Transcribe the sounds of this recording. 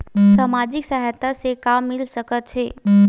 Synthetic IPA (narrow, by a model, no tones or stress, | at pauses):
saːmaːd͡ʒɪksaɦjt̪asekamːɪlsəkət̪̚t͡ʃʰeː